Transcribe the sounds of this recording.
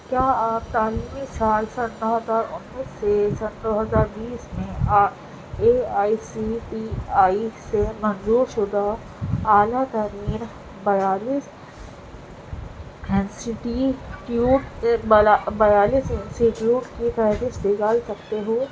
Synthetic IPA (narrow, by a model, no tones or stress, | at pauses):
kjaːaːp̚t̪aːliːmisaːlsɐ̃nːɔɦəzaːɾʊnːiːsːesɐnd̪oːɦɐzaːɾbiːsmẽa | eːaːisiʈiaːisemɐ̃nzuːɾʃʊd̪ʱaː | aːlat̪əɾiːn | bɐjaːliːs | ɪnsɪʈiʈjuːʈabajaːliːsɪ̃nsiʈjuːʈkifɛɦɾiʃd̪ɪɡalsɐkt̪eɦoː